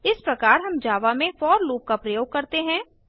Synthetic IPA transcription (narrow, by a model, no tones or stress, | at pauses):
ɪspɾɐkaːɾɦɐmd͡ʒaːʋamẽfɔːɾloːp̚kapɾɐjoːɡ̚kɐɾt̪eɦɛ̃ː